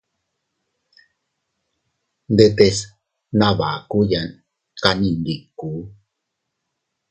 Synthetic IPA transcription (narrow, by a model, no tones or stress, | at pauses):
nd̪et̪es | naβa̰kujan | kanind̪ikːu